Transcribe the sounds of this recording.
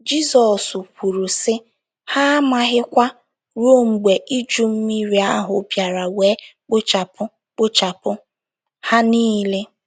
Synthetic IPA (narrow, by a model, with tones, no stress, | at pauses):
d͡ʒi˦sɔ˨su˨pʷu˨ɾu˨sɪ˦ | ha˦ma˦ɦɪ˦kʷa˦ | ɾo˦ŋ͡m̩˨ɡ͡be˨ʔi˦d͡ʒu˦m̩˦mi˦ɾi˨a˦ɦʊ˨˦pja˨ɾa˨weː˨˦k͡pʊ˦t͡ʃa˨pʊ˦ | k͡pʊ˦t͡ʃa˨pʊ˦ | ha˦niː˦le˦